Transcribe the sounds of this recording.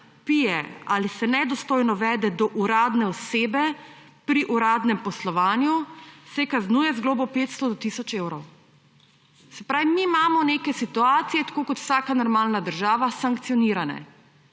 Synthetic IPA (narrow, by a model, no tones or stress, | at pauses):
pijɛalisɛnɛd̪ɔst̪oːjnɔʋɛːd̪ɛd̪ɔʔuɾaːd̪nɛɔseːbɛ | pɾiʔuɾaːd̪nɛmpɔslɔʋaːnjusɛkaznuːjɛzɡloːbɔpeːt̪st̪ɔd̪ɔt̪isɔt͡ʃewɾɔw | sɛpɾaːʋimiːmaːmɔnekɛsit̪uaːt̪sijɛt̪ḁkoːkɔt̪w̥saːkanɔɾmaːlnad̪əɾʒaːʋasaŋkt̪sijɔniɾanɛ̰